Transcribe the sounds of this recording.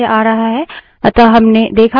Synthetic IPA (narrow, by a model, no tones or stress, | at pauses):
eʔaːɾɐɦaɦɛ | ɐt̪aɦɐmned̪eːkʰa